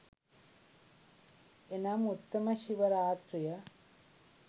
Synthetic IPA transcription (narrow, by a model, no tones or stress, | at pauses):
enamut̪ːɐmɐʃiʋɐɾaːt̪ɾijɐ